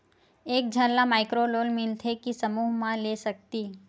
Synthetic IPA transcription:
eːk̚d͡ʒʱəllamaɪkɾoloːlmɪlt̪ʰekisəmuːɦmãlesək̚t̪i

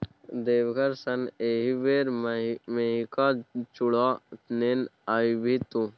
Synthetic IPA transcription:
d̪eːʋɡɐɾsɐneɦiʋeːɾmeɦikat͡ʃuɽanenajbʱit̪ũ

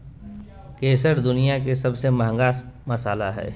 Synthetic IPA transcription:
keːsəɾd̪ʊnijak̬esɐbsemɐɦə̃ŋɡaːsmɐsaːlaɦɛ̰ː

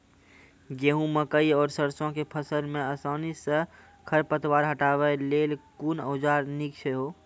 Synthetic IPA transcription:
ɡeːɦũməkəiɔːɾsəɾsõkepʰəsəlmẽəsaːnisə | kʰəɾpət̪waːɾɦəʈaːbəleːlkuːnəʊd͡ʒaːɾnik̚t͡ʃʰeɦoː

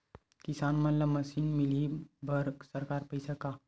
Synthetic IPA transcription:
kisanmənlaməsinmilibəɾɡsəɾkaɾpəjsaka

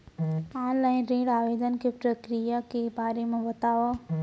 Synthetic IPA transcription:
ãːlaːɪnɾẽːɽaːʋeːd̪ən̆kʰepɾɐkɾijakebaːɾemãʋɐt̪aːʋa

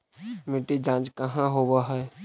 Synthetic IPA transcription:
mɪʈid͡ʒãːd͡ʒkəɦãɦoːwaɦɛ

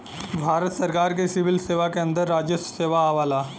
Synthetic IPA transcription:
bʱaːɾət̪səɾkaːɾk̬esɪʋɪlseːʋakeɐ̃nd̪əɾːaːd͡ʒəsseːʋaaʋaːlaː

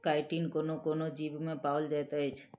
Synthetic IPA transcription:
kajʈinkonokonod͡ʑibmepaold͡ʑajt̪eɦɔjt͡ʃʰe̥

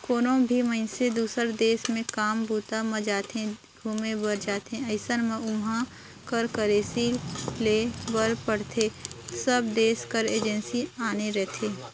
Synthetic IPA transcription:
koːnõbʱimə̃ɪ̃sed̪uːsəɾd̪eːʃmẽkaːmbuːt̪amə̃d͡ʒaːt̪ẽ | ɡʱuːmẽbəɾd͡ʒaːt̪ẽəɪsənmẽʊmɦã | kəɾkəɾeːsilebəɾpəɽt̪ʰesəbd̪eːskəɾeːd͡ʒə̃nsiaːneɾɛɦt̪ʰeː

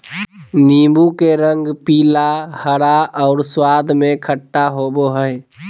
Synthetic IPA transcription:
nimbukeɾəŋɡpiːlahəɾaʔɔʊɾswad̪ʱmekʰəʈːaɦoboɦəj

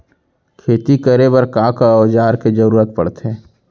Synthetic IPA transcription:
kʰeːt̪ikəɾebɐɾkãkaɔd͡ʒaːɾked͡ʒɐɾuːɾət̪̚pɐ̰ɽt̪ɦɛ̃ː

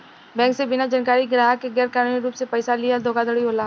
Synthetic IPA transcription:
bɛ̃ːŋksebɪnad͡ʒənkaːɾiɡɾaːɦakeɡɛːɾkaːnuːniɾuːpsepɐɪsalijad̪ʱoːɡad̪əɽiɦoːlaː

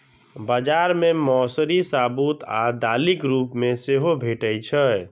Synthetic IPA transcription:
bad͡ʒaɾmemɔsɾisabut̪a̰d̪alikɾupmeseɦobʱeʈəjt͡ʃʰə

